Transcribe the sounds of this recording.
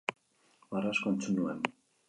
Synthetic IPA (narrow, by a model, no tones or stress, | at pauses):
waraskont͡sunuen